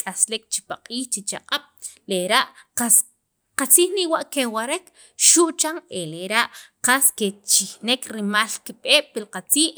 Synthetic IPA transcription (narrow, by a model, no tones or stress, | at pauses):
kʼaslek̚t͡ʃi̥paqʼiːχt͡ʃit͡ʃaqʼaɓ̥leɾaʔqas | qat͡siːχniwaʔkewaɾek | ʃuʔt͡ʃaŋeleɾaʔqasket͡ʃixnekɾimalkiɓeːɓ̥pilqat͡siːʔ